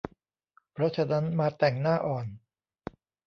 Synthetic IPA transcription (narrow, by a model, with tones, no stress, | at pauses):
pʰɾɔ˦˥t͡ɕʰa˧na˦˥nmaː˧t̪ɛ˨˩ŋnaː˥˩ʔɔː˨˩n